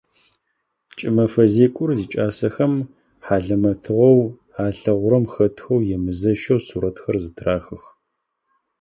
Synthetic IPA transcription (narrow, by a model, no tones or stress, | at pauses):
t͡ʃʼɪmɐfɐzeːkʷʼʊrziːt͡ʃʼaːsɐxɐm | ħaːɮɐmɐtʰɨʁɐw | aːɬɐʁʷʊɾɐmxɐtʰxɐwjɛmɨzɐʃɐwsuɾɐtxɐrzɨtʰraːxɨx